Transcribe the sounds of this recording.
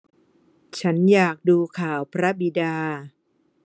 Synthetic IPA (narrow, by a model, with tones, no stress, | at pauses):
t͡ɕʰa˦˥njaː˨˩k̚duː˧kʰaː˨˩wpʰɾa˦˥bi˨˧˩daː˧